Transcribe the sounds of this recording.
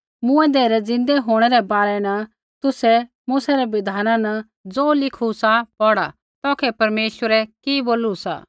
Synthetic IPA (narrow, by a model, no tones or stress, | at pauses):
mʊ̃ɛ̃d̪eːɾɛd͡zɪ̃nd̪ɛɦoːɽ̃ɛɾɛbaːɾɛnɐ | t̪ʊsɛ | mʊsaɾɛbɪd̪ʱaːnãnɐ | d͡zoːlɪkʰusapɔɽa | t̪ɔːkʰɛpɐɾmeːʃwəɾɛkiboːlusa̰ː